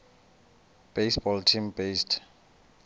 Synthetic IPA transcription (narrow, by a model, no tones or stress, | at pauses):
b̥ejsbɔltʰimbestʰ